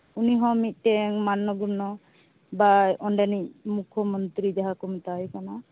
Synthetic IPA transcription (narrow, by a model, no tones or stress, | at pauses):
uniɦɔ̃mit̪̚ˀʈɛŋmanːɔɡunɔ | bajʔɔnɖɛnic̚mukʰɔmɔnt̪ɾid͡ʒaɦakɔmt̪ajkana